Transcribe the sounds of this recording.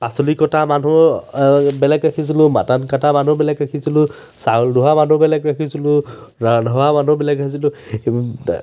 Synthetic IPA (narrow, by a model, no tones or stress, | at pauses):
pasɔlikɔtamanu | bɛlɛkɹakʰis̬ilʊma̰tankataman̤ubɛlɛkɹakʰisilʊ | saulduɦamanubɛlɛkɹakʰisilʊ | nʱɔwaman̤ubɛlɛkɹakʰisilʊ